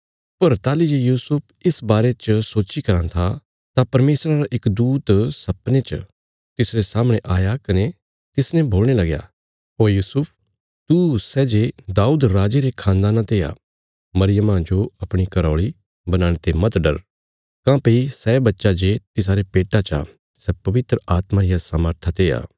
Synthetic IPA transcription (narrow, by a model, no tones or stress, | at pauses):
pɐɾt̪aːlid͡ʒejuːsʊpʰɪsbaːɾet͡ʃsoːt͡ʃikɐɾãt̪ʰa | t̪apɐɾmeːsɾaɾaʔɪkd̪uːt̪sɐpnet͡ʃ | t̪ɪsɾesaːməɽ̃ẽʔaːjakɐne | t̪ɪsnɛ̃bʱoːlɽ̃elɐɡja̰ | ɦoːɾjuːsʊpʰ | t̪usɛːd͡ʒed̪aːuːd̪ɾaːd͡ʒeɾekʰãːnd̪aːnãt̪eːja̰ | mɐɾɪjəmãd͡ʒoɐpɽ̃ikɐɾɔːɭi | bɐnãːɽ̃et̪emɐt̪ɖɐɾ | kãːpeisɛːbɐtːʃad͡ʒet̪ɪsaːɾepeːʈat͡ʃa̰ | sɛpɐʋɪt̪ɾəaːt̪mãɾɪjasaməɾt̪ʰat̪eːa̰ː